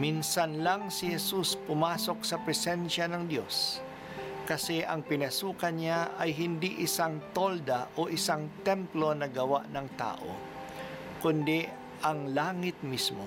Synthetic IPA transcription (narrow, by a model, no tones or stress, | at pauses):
minsɐnlaŋsɪhɛsuspʊmaːso̞k̚sɐpɾɛsɛnʃanɐŋd̪jo̞s | kɐsɛʔɐŋpɪnɐsuːkɐnɲaʔɐjɦɪnd̪iʔɪsaŋt̪o̞ld̪aʔoʔɪsaŋt̪ɛmplo̞nɐɡɐwa̰ʔnɐŋt̪a̰ːʔo̰ | kʊnd̪ɛ | ʔɐŋlaːŋɪt̪̚mismo